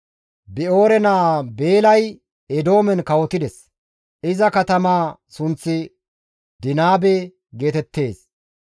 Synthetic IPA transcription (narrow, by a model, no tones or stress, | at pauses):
bɪo̞ːɾɛnaːbe̞ːlɐj | ɛd̪o̞ːmɛnkɐwɔt̪ɪd̪ɛs | ɪzɐkɐt̪ɐmaːsʊnt͡sːɪ | d̪ɪnaːbɛ | ɡe̞ːt̪ɛt̪ːe̞ːs